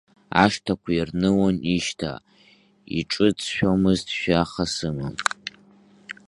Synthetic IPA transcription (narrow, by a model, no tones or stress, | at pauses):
a̰ʂtʰakʷʰairnɨwoniʃtʰa̰ | ḭʈ͡ʂʼɨt͡sʰʃᶣomɨztʰʃᶣaχasɨmɨm